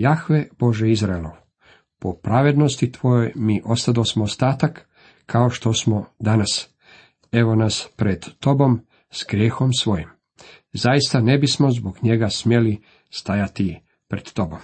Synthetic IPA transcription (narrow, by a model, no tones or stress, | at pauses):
jaxʋeb̥o̞ʒeizɾaelo̰ʋ | popɾaʋe̞d̪no̞st̪it̪ʋo̞jojmiʔo̞st̪ad̪osmoost̪aːt̪akːʰ | aoʃt̪o̞smo̞d̪anas | e̞ʋo̞naspɾed̪ːo̞bo̞m | sɡɾʲjeːxo̞msʋo̞jim | zajist̪ane̞bismo̞zboɡɲe̞ɡasmje̞li | st̪ajat̪i | pɾed̪̥t̪o̞bo̞m